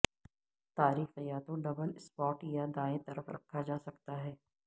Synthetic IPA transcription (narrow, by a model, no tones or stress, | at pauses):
t̪aːɾiːxɐjaːt̪õɖɐbəlɪspɔːʈjad̪aːẽt̪ɐɾəfɾɐ̰kʰːad͡ʒaːsɐkt̪aɦɛː